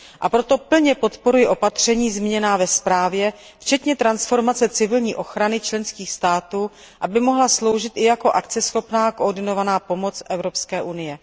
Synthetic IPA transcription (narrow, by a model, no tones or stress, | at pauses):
ʔapɾo̞t̪o̞pl̩ɲɛpo̞t̪po̞ɾujɪʔo̞pat̪r̝̥ɛɲiːzmɪɲɛnaːvɛspɾaːvjɛ | ft͡ʃɛt̪ɲɛt̪ɾansfo̞ɾmat͡sɛt͡sɪvɪlɲiːʔo̞xɾanɪt͡ʃlɛnskiːxst̪aːt̪uː | ʔabɪmo̞ɦlaslo̞wʒɪt̪ʔɪjako̞ʔakt͡sɛsxo̞pnaːkoʔːɾdɪno̞vanaːpo̞mo̞t͡sʔɛvɾo̞pskɛːʔunɪjɛ